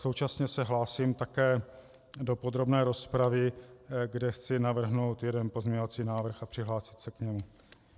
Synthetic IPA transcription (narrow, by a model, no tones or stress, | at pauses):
sowt͡ʃasɲɛsɛɦlaːsiːmt̪akɛː | do̞po̞d̪ɾo̞bnɛːɾo̞spɾavɪɡdɛxt͡sɪnavr̩ɦno̞wt̪jɛdɛnpo̞zmɲɛɲo̞vat͡siːnaːvr̩xapr̥ɪɦlaːsɪ̥t̪sɛkɲɛmu